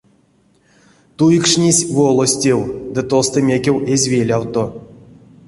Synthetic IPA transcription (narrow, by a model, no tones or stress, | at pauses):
t̪ujikʂnʲisʲvolˠosʲtʲewd̪ɨt̪ost̪ɨmʲekʲewezʲvʲelʲawt̪o